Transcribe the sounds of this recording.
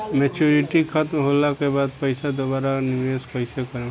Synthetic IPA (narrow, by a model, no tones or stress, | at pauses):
met͡ʃuɾiʈikʰət̪mɦolakebaːd̪̚pəɪsad̪obaːɾaniʋeskəɪsekəɾẽ